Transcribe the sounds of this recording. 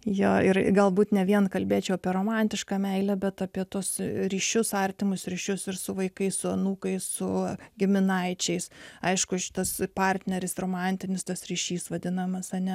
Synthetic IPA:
joːɪrɡɐlˠbuːt̪nʲɛʋʲiɛnkɐlʲbʲeːt͡ʃʲɛʊɐpʲiɛɾoːmɑnʲt̪ʲɪʃkɑmʲɛɪlʲɛbʲɛt̪ɑpʲiɛt̪uɔsɾʲiːʃʲʊsɐrʲt̪ʲɪmʊsɾʲiːʃʲʊsɪɾsʊʋɐɪkɐɪsʊɐnuːkɐɪssʊɡʲɪmʲɪnɐɪt͡ʃʲɛɪsɐɪʃkʊʃʲɪ̥t̪ɐspɑrʲt̪ʲnʲɛɾʲɪsroːmɑnʲt̪ʲɪnʲɪst̪ɐsɾʲiːʃʲiːsʋɐd̪ʲɪnɐmɐsɐnʲɛ

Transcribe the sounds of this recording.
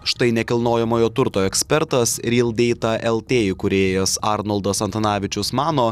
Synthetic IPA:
ʃt̪ɐɪnʲɛkʲɪlˠnoːjɛmoːjoːt̪ʊɾt̪oːɛksʲpʲɛɾt̪ɐsɾʲiːlˠd̪ʲɛɪt̪ɐʔɛlˠt̪ʲeːjɪkʊɾʲeːjɛsɑːɾnolˠd̪ɐsɐnt̪ɐnɑːʋʲɪt͡ʃʲʊsmɑːnoː

